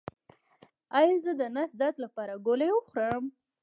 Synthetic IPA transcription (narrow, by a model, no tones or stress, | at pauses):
ɑjɑzəd̪ənasd̪at̪lapɑɾaɡolewəxɾəm